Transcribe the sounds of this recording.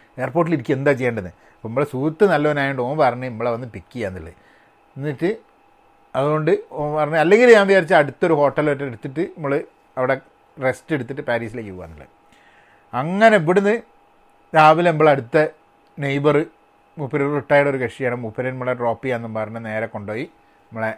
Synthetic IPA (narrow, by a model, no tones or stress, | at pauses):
e̞ːrpo̞ːʈ̬iliɾikʲːue̞nd̪aːt͡ɕejːaːɳɖenːɨ̰ | ɐpːoimːoɭesuːt̪ːɨnɐlːɐʋɐnaːjeɳɖoːpɐɾɐɲːuemːɐɭeʋɐnːɨpikːijaːnːilːɐ̰ | nːiʈːɨ | ɐðuɣo̞ɳɖɨopɐrɐɲːuɐlːe̞ŋɡilɲaːnʋiaːɾit͡ɕːɨɐɽut̪ːoɾuho̞ːʈːɐloʈːɐeɽut̪ːiʈːɨmːoɭɨ | ɐʋiɽe | re̞ste̞ɽut̪̬ːiʈːɨpaːɾiːsileːkːɨpoːaːnːilːɐ̰ | ɐŋːɐneip̬ːiɽunːɨ | taːbilemːɐɭeɐɽut̪ːɐ | nejbɐrɨ | mupːɐɾɐɭuʈːaːjʈːo̞ɾukɐʂijaːɳɨmupːɐɾɐnmːɐɭeʈro̞ːpːijanːɨmpɐrɐɲːɐne̞ːɾɐkːo̞ɳɖo̞ːji | ɐmːɐɭe